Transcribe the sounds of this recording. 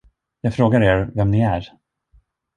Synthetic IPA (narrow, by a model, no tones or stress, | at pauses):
jɑːɡfɾoːɡaɾeːɾvɛmnɪæɾ